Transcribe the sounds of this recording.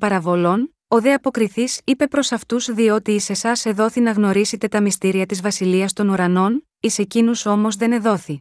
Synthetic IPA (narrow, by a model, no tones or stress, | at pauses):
pɐɾɐvo̞lo̞n | o̞ðe̞ɐpo̞kɾiθisipe̞pɾo̞sɐft̪uzðio̞t̪iːse̞sɐse̞ðo̞θinɐɣno̞ɾiset̪e̞t̪ɐmist̪iɾiɐt̪izvɐsiliɐst̪o̞nuɾɐno̞n | ise̞cinuso̞mo̞zðe̞ne̞ðo̞θi